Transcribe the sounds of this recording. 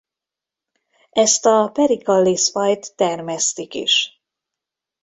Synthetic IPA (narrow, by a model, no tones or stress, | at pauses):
ʔɛst̪ɒpɛɾikɒlːisfɒjt̪ːɛrmɛst̪ikḭʃ